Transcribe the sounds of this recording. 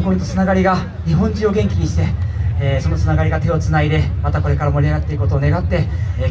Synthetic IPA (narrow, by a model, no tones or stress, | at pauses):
koit̪ːot͡sɨnaɡaɾʲiɡa | ɲ̟iɦõ̞ɲ̟d͡ʑĩo̞ɡẽ̞ŋkʲiɲ̟iɕi̥t̪e̞ːso̞no̞t͡sɨnaɡaɾʲiɡat̪e̞o̞t͡sɨnaid̪e̞mat̪ako̞ɾe̞kaɾamo̞ɾʲiaɡat̪ːeɯko̞t̪oːne̞ɡat̪ːe̞